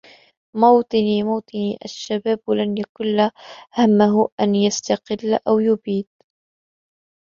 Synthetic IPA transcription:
mɑwt̪ˤɨniːmɑwt̪ˤɨniːʔaʃːabaːblanjakʊlːahamːaɦʊʔanjast̪ɑqɪlːʔawjʊbiːd̪̚

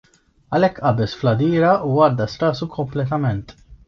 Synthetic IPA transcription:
ɐlɛkːʔɐbɛsflɐd̪iːɾɐuɐɾd̪ɐst̪ɐːsukʰɔmplɛt̪ɐmɛnt̪

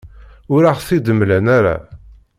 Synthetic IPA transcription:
ʊɾaʁθid̪əmlænæɾa̰

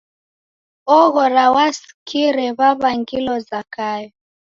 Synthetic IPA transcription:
ɔɣɔɾawas | kiɾɛβaβaŋɡilɔzakajɔ

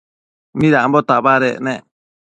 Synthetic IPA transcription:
mĩɾambɔt̪abaɾɛ̰nɛ

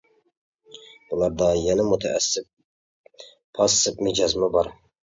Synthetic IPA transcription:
bulˠɑɾd̪ɑjɛnɪmut̪ʰɛ̰ʔæ̰sɪp̚ | pʰɑsːɪpmɪd͡ʒɑzmɪbɑɾ

